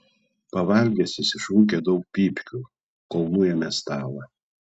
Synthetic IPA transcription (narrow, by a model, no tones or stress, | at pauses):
pɐʋɐlʲɡʲɛsʲɪsʲɪʃuːkʲed̪ɒʊk̚pʲiːpʲkʲu | kɔlˠnuːjɛmʲɛst̪ɑːlˠɐ